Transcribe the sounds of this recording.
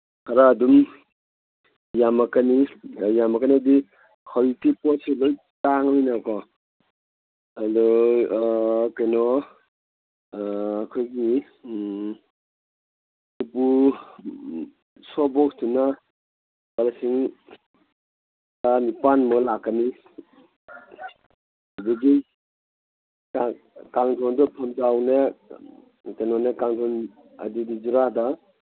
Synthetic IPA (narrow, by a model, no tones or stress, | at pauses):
kʰaɾaːdum | jamakanijamakaniadi | kʰɔɾitipɔseloj | taŋjnakɔ | adɔ | kenɔ | kʰojɡi | nupu | sɔbɔk̚tʰuna | balsiŋ | tanipanmɔlakːani | diɡi | a | kaŋdʰɔndɔpʰɔmd͡ʒawne | kenɔnekaŋdʰɔn | a̰didid͡ʒuɾada